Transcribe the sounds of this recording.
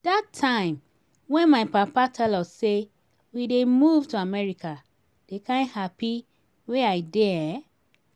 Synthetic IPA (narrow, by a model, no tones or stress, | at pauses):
d̥atʰːãɪ̃m | wɛ̃nmaɪpapatʰɛlɔse | widemuvtuamɛɹika | d̥ekãnhapi | weaɪdɛ